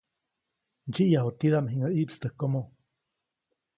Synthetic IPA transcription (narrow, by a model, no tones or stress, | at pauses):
ɲd͡ʒiʔjaɦot̪id̪amɦiŋaʔiʔpst̪əhkomo